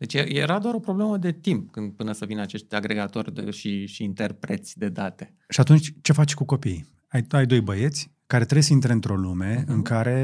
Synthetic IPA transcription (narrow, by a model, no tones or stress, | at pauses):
d̪e̞t͡ʃjejeɾad̪oaɾo̞pɾo̞bleməd̪e̞t̪imp̚kɨnd̪̚pɨnəsəvinat͡ʃe̞ʃt̪ʲaɡɾe̞ɡat̪o̞rʲd̪ḛʃiʃiːnt̪erpɾet̪sʲd̪e̞d̪at̪e̞ | ʃiat̪unt͡ʃʲt͡ʃe̞fat͡ʃʲkuko̞pij | ajajd̪o̞jbəje̞t̪sʲ | kaɾe̞t̪ɾebjesəint̪ɾeɨnt̪ɾo̞lume̞ɨŋkaɾe̞